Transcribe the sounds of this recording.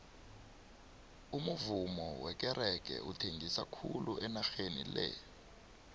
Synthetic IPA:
umuvumɔwɛk̬ʼɛɾʔɛk̬ɛ̰utʰeŋɡʱisakʰuluʔɛnaxenḭlɛ̰

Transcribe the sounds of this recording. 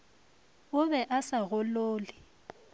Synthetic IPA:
ʊβɛʔasaɣʊloːlɪ

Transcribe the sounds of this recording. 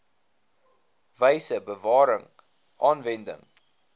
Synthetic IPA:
vəjsəbəvɑːɾəŋ | ʔɑːnvɛndə̰ŋ

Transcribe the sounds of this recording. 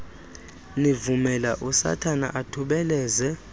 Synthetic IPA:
nivumɛlaʔusa̰tʰana̰ʔatʰuɓɛlɛːzɛ

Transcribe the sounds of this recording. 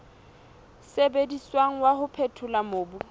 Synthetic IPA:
sebediswaŋ̩wahʊpʰetʰʊlamoːbu

